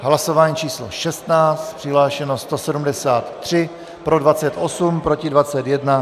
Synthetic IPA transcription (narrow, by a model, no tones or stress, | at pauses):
ɦlaso̞vaːɲiːt͡ʃiːslo̰ʃɛst̪naːt͡st̪pr̝̥ɪɦlaːʃɛnost̪o̞sɛdumdɛsaːt̪ːr̝̥ɪ | pɾo̞dvat͡sɛt̪ʔo̞sumpɾo̞cɪdvat͡sɛt̪jɛdna